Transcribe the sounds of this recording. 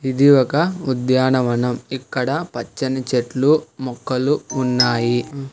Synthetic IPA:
id̪iɔkɐud̪jaːnɐʋɐnɐmikːɐɽɐpɐt͡ʃːɐnɐt͡ʃeʈlumɔkːɐluːnːaːji

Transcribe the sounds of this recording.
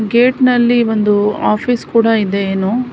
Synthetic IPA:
ɡeːʈnɐlːiʋond̪uaːpʰiːskuːɽɐid̪e̞eːnu

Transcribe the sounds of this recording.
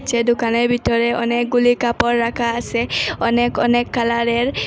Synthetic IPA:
t͡ʃʰɛdʊkanɔɹbʱitɔɹɛɔ̰nɛk̚ɡulikapɔɹːakʰaːsɛɔnɛkɔnɛkːalaɹɛɹ

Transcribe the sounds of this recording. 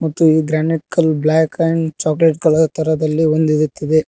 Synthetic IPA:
mɐt̪ːuiːɡɾaːnikːɐlblaːkɐjɳt͡ʃaːkleʈɡɐɭɐt̪ʰɐɾɐd̪ɐlːiond̪id̪ut̪ːid̪e

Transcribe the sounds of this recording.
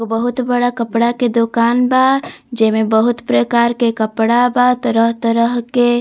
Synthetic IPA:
bəɦut̪bəɽakəpɽaked̪okanbad͡ʒemebəɦut̪pɾəkaɾkekəpɽabat̪ɔɾəɦt̪əɾəɦke

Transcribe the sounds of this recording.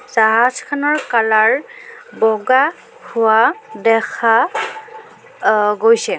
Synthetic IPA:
z̥aɦazkʰanɔɹkalaɹbɔɡa | hʊwadɛkʰa | ɡojsɛ

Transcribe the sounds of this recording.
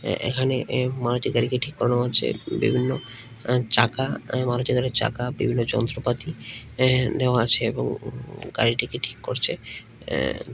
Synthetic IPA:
ḛkʰanemaɾot̪ːiɡaɾikeʈʰikːɔɾoneat͡ɕʰḛbḭbʱinːo | t͡ʃakamaɾot̪iɡaɾiɾt͡ʃa̰kabḭbʱinːod͡ʑɔ̰nt̪ɾopat̪i | d̪eoaat͡ɕʰeeboŋɡa̰ɾiʈikeʈʰi̥kːoɾt͡ɕʰḛ

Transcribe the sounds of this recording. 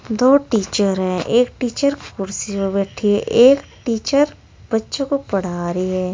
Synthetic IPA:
d̪oːʈiːt͡ʃəɾɦɛ̃ʔeːkʈiːt͡ʃəɾkʊɾsiobɛːʈʰiɦɛʔeːkʈiːt͡ʃəɾ | b̥ɐtːʃõkopɐɽ̤aːɾiɦɛː

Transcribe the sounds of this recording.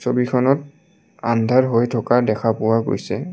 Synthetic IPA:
sobikʰɔnɔt̚ | a̰ndʱaɹɦojtʰɔkadɛkʰapʊwaɡo̰jsɛ

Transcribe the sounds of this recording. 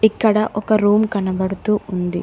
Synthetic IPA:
ikːɐɽɐʔɔkɐɾuːmkɐnɐbɐɽut̪uːund̪i

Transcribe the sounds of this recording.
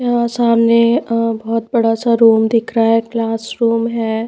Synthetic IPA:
ãsaːmnebɔːt̪̚bɐɽasaɾuːmd̪ɪkʰɾaɦɛklaːsɾuːmɦɛː

